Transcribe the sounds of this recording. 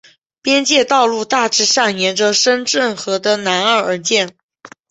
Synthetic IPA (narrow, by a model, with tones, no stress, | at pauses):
pjɛ˥nt͡ɕjɛ˥˧t̪ɑ˥˧ʊlu˥˧t̪a˥˩ʈ͡ʂɻ̩˧˥ʂa˥˩njɛ˧˥nʈ͡ʂə˧ʂə˥nʈ͡ʂə˥˩nxɤ˧˥d̪ə˧na˧˥nə˞˥˩ə˞˧˥t͡ɕjɛ˥˩n